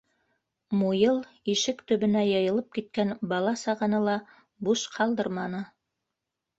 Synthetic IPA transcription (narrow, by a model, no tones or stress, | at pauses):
mujɤlˠ | iʃɘkt̪ɵ̆βɵ̆næjɤ̆jɤ̆lˠɤp̚kit̪̚kænbɑlˠɑsɑʁɤnɤlˠɑ | buʃqʰɑlˠd̪ɤɾmɑnɤ